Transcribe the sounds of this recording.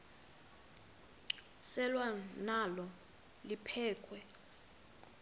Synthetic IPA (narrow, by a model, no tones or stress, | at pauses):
sɛlwanalɔ | lipʰɛːkʰwɛ